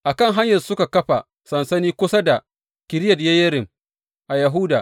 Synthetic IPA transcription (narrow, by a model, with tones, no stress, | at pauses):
ʔa˨kɐ˦˨ŋɦa˦ɲjɐ˨rsʊ˦ka˨kɐ˦ɸa˨ | sɐ˨nsɐ˦niː˦kʷʊ˦sa˦da˨ | kʲɪ˨ɾɪ˦jɐ˨djɐ˦jɐ˦ɾɪ˨m | ʔa˨jɐ˨ɦʊ˦daː˨